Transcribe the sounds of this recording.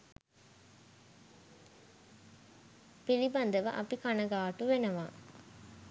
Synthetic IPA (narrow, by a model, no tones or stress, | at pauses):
pilibɐnd̪əʋɐ̰ʔɐpikanɐɡaːʈuʋenɐʋa̰ː